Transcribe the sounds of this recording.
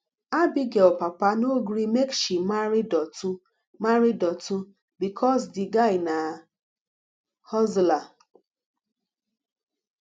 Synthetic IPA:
abɪɡeɔpapanoɡɾimekʃimaɾɪdɔtu | maɾidɔtu | bikʰɔs̬dɪɡaɪna | hɔzla

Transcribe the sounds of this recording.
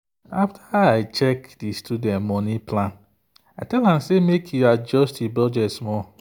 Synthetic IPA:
aftʰaaɪt͡ʃɛkdistʰudɛ̃ntmɔnipʰlãn | aɪtɛlhãmsemekʰjuad͡ʒɔstibɹɔd͡ʒɛsmɔ

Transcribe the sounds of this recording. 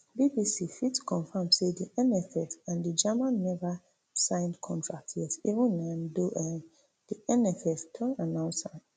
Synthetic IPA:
bibisifitkʰɔ̃ɱfãmsediʔɛ̃nɛfɛfãndid͡ʒamãnːɛva | sãɪ̃ndkʰɔ̃ntʰɹak̚tʰɛsivə̃nãndoʔɛ | d̥iʔɛnɛfɛftʰɔ̃nanãʊ̃nsãn

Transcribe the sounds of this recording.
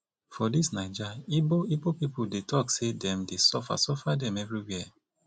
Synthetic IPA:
fɔdisnaɪd͡ʒaiboibopipudetɔksedɛ̃mdesɔfa̰sɔfadɛ̃mɛvɹiwɛ

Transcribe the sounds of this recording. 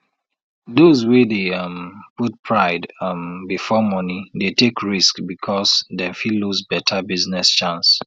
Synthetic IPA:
dozwedemput̚pʰɹaɪdmbifɔmɔnidetekɹiskbikʰɔsdɛ̃filːuzbɛtʰabiznɛst͡ʃãns

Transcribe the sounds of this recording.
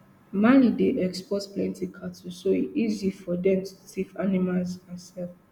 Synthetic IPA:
manideʔɛkspɔtplɛ̃ntikʰatusoiizifɔdɛ̃mtʰu̥sivanimalzasɛlf

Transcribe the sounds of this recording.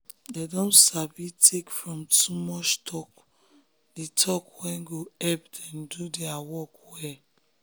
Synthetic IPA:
dedɔ̃nsabitʰekfɹɔ̃mtumɔt͡ʃtʰɔk | ditʰɔkwɛ̃nɡoɛpdɛ̃ndudɛawɔkwɛ

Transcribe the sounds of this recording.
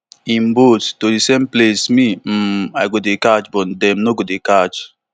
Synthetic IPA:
ĩmbottodisemplesmim̩ajɡodekat͡ʃbɔdɛmnoɡodekad͡ʒ

